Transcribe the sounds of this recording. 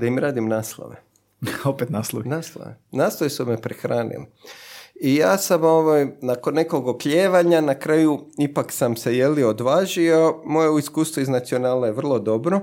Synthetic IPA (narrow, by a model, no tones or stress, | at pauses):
d̪aimɾaːd̪imnaːslˠo̰ʋḛ | opet̪naːslˠo̰inaːslˠo̰ʋḛnaːslˠoʋesumepɾexɾaːnḭli | ijaːsamoʋajnakonːe̞koɡopʎeːʋaɲanakɾaːjuipaksamse̞jelio̞d̪ʋaːʒio̞mojeuiskuːst̪ʋuiznat̪sionaːlajeʋr̩lˠo̞d̪o̞bɾo